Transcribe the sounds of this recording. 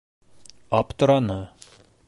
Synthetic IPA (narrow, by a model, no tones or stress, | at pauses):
ɑpt̪ŏɾɑnɤ